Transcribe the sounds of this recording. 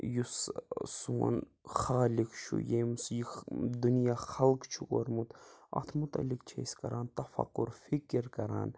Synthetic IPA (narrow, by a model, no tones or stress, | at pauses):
jussṵnxaːlikʃʰṵjeːmsiːd̪unjaːxɐlkt͡ʃʰuko̰ɾmut̪ɐ̰t̪ʰmut̪ɐ̰lːikt͡ʃʰḛːskɐɾaːnt̪ɐfɐ̰qːuɾfikɾkɐɾa̰ːn